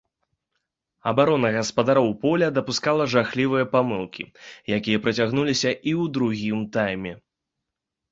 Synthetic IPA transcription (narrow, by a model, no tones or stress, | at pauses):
ɐbaɾɔnɐɣɐspɐd̪aɾɔwpɔlʲɐd̪ɐpuskalˠɐʐaxlʲivɨjɐpamɨlˠkʲḭjakʲijɐpɾɐt͡sʲaɣnulʲisʲɐʔiwd̪ɾuɣʲimt̪ajmʲɛ